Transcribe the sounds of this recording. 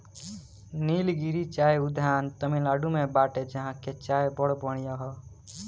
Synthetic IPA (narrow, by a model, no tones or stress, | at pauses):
niːlɡiɾit͡ʃaːeud̪ʱjaːnt̪əmilaːɖumebaːʈed͡ʒəɦãket͡ʃaːebɔɽbəɽ̃ijaɦɔ